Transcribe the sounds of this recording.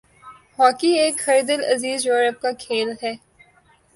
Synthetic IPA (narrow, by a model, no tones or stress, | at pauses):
hɔːkieːkxəɾd̪əlɐ̰ziːzjoːɾəp̚kakʰeːlɦɛː